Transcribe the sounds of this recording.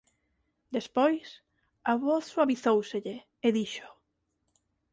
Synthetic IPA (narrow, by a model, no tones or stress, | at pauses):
d̪espojs | aβoθswaβiθowseʎe | eðiʃʊ̥